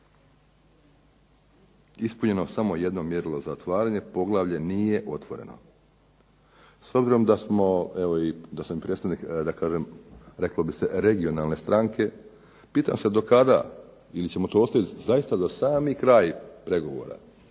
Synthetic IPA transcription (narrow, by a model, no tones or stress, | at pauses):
ispuɲe̞no̞samo̞je̞d̪no̞mje̞ɾlo̞zaot̪ʋaːɾaːɲe̞po̞ɡlˠaːʋʎe̞niːje̞ʔo̞t̪ʋo̞ɾe̞̰no̞̰ | so̞bziɾo̞md̪asmo̞eʋo̞id̪asamipɾet̪t̪aʋnikd̪akaːʒemɾe̞klˠo̞bise̞ɾe̞ɡio̞nalˠne̞st̪ɾaŋkʰe̞ | piːt̪a̰ːmsed̪o̞kad̪a̰ | ilit͡ɕe̞mot̪oːo̞st̪aʋit̪zajist̪azasaːmikɾaːjpɾe̞ɡo̞ʋo̞̰ːɾa̰